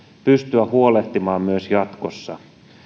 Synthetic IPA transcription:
pyst̪yæhuole̞ht̪imɑːmmyøsjɑt̪kosːɑ

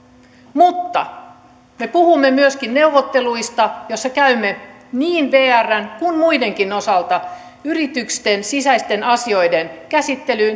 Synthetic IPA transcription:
mut̪ːɑ̰ | me̞puhumːe̞myøskinne̞uʋot̪ːe̞luist̪ɑjosːɑkæymːe | niːnʋeːærːænkunmuide̞ŋkino̞sɑlt̪ɑ | yrit̪ykst̪ensisæist̪e̞nɑsio̞jdenkæsit̪ːe̞lyn

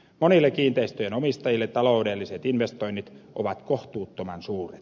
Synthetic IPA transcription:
monilːekiːnt̪eist̪øjenomist̪ɑjilːett̪ːɑloudelːiset̪inʋest̪oinːit̪ʔoʋɑt̪koht̪uːt̪ːomɑnsuːret̪

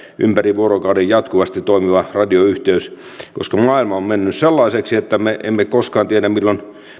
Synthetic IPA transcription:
ʔympæriʋʋuorokɑudejjɑt̪kuʋɑst̪it̪t̪oimiʋɑrɑdioyht̪eys | ko̰skɑmɑːilmɑommenːysselːɑiseksiet̪ːæmeʔḛmːekoskɑːnt̪iedæmmilːon

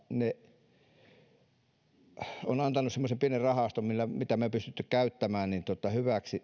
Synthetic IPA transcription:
ne | onɑnt̪ɑnusemːosempienerrɑhɑst̪ommilːæmit̪æmepyst̪yt̪ːykkæˑyt̪ːæmæːnnint̪uot̪ɑhyʋæksi

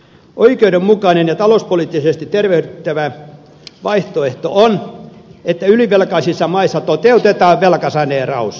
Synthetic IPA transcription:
ʔoikeudemmukɑinenjɑt̪ɑlospoliːˑt̪ːisest̪it̪erʋehyt̪ːæʋæ | ʋɑiht̪oeht̪o̰ʔon | et̪ːæyliʋelkɑisisːɑmɑisːɑt̪ot̪eut̪et̪ɑːʋʋelkɑsɑneːrɑ̰us

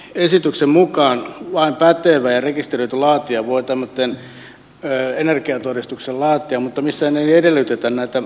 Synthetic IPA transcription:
esit̪yksemmukɑːnʋɑimpæt̪eʋæːjɑrekist̪eroit̪ulɑːt̪iɑʋʋoit̪æmːøt̪ːenː | enerkiɑt̪orist̪uksellɑːt̪ˑiɑmmut̪ːɑmisːæneniedelːyt̪et̪ænnæit̪æ

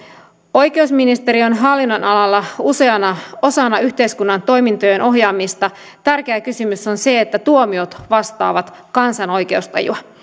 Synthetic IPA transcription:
o̞jke̞usminist̪e̞ɾio̞nɦɑlːinːonɑlɑlːɑuse̞ɑnɑo̞sɑnɑyht̪e̞jskunːɑnt̪o̞jmint̪ojenʔo̞ɦjɑːmist̪ɑ | t̪ærk̟eækysymysonse̞et̪ːæt̪uomiot̪ʋɑst̪ɑ̰ːʋɑt̪kɑnsɑno̞jk̟e̞ust̪ɑ̰jṵɑ

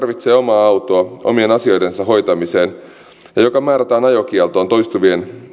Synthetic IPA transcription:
rʋit̪seːo̞mɑːɑwt̪oɑo̰mienɑsio̞jdensɑɦo̞jt̪ɑmiseːn | jɑjo̞kɑmæːɾæt̪æːnɑjok̟ielt̪oːnt̪o̞jst̪uʋien

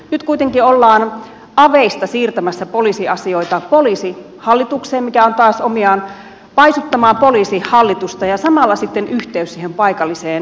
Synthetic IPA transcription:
nyt̪kuit̪eŋkiolːɑːn | ɑʋeist̪ɑsiːrt̪æmæsːæpoliˑsiɑsioit̪ɑpoliːˑsi | hɑlːit̪ukseːmmikæont̪oɑːˑsomiɑːn | pɑisut̪ːɑmɑːpoliːsihɑlːit̪ust̪ɑjɑsɑmɑlːɑsit̪ːenyht̪eyssihempɑikɑlːiseːn

